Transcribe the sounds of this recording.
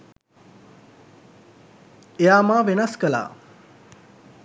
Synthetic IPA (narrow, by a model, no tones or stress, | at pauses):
ejaːmaːʋenɐskəla̰ː